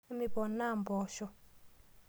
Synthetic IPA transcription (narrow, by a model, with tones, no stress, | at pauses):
mi˨bɔ˨na˦˨mbɔː˨ʃɔ˦